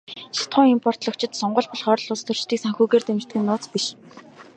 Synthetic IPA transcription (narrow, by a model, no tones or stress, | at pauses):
ʃḁt̪χʊːŋimpʰɔr̥t̪ɮɞ̆kt͡ɕʰɪ̆t̪sɔɴɢɞ̆ɮpɔɮχœːɾɞ̆ɮʊst̪ʰɵ̆r̥t͡ɕt̪iːksaŋxuːɣeːrt̪emʲt͡ɕt̪̚ɡɘ̆nːʊːt͡spiʃ